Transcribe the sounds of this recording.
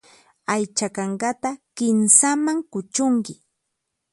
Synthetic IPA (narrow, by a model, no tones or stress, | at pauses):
ajt͡ʃakɑɴɢɑt̪akɪnsamaŋkʊt͡ʃʊŋkɪ